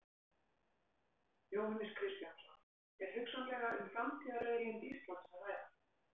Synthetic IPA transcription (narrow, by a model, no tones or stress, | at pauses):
joːwhanɪskʰɾɪst̪jansɔn | ɛɾ̥hʏksanlɛːɣaʔʏmfɾamt̪ʰiːðareːjɾjɪnt̪ist̪lɔt̪saaːjða